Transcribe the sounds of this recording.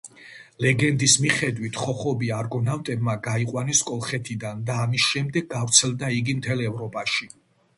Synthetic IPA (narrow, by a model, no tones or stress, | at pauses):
lɛɡɛnd̪ismiχɛd̪wit̪ʰχɔχɔbiaɾɡɔnavt̪ʼɛbmaɡaiqʼwanɛskʼɔlˠχɛt̪ʰid̪and̪aːmisʃɛmd̪ɛɡ̚ɡavɾt̪sʰɛlˠd̪aiɡimt̪ʰɛlɛvɾɔpʼaʃi